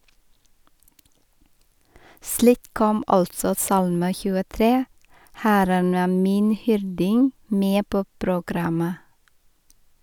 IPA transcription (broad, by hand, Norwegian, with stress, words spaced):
ˈsliːk ˈkɔm ˈɑltsɔ ˈsɑlmə çʉːəˈtɾeː ˈhæɾən ˈæː ˈmiːn ˈhʏɾdɪŋ ˈmeː ˈpoː pɾʊˈɡɾɑmə